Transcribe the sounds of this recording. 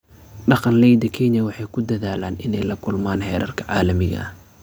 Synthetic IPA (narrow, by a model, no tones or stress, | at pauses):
ɖɑqɑnlɛjd̪ɐkʰɛɲɐwɑħɑjkʰʊd̪ɐðaːlaːnɪnɛjlɐkʰʊlmaːnhɛːɾʔɐ̰rkʰɐ̥ʕɑːlɐmɪɣɐ̰